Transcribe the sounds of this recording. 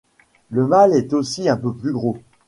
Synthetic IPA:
ləmalɛt̪osiɛ̃pøplyɡʁo

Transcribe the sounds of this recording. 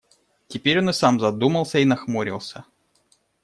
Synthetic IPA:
tʲɪpʲeɾʲo̞nɨsamzɐd̪uməlˠsʲəinɐxmoɾʲɪ̰lˠsʲə

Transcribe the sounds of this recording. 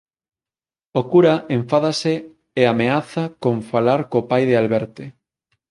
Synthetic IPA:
okuɾaʔẽɱfaðase | eameaθakoɱfalaɾkopajðealβɛɾt̪e

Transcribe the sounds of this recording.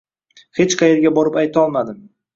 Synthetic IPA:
het͡ʃqʰɑjeɾɡʲabɒɾɪpajt̪ʰɒlˠmad̪ɪm

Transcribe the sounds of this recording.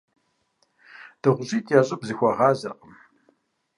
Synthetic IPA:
d̥ɨʁʷʊʑiːtʰʼjaɕʼɪbzɨxʷɐʁɑːzɐ̰qʼəm

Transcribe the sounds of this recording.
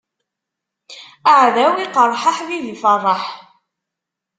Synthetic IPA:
aʕðæwiqəɾˤħaħðiðifərˤːɑħ

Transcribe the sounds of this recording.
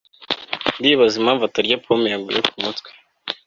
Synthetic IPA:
ndiβazimhaːɱvataɾɟapʰomjaɡṵjokumutkwe̥

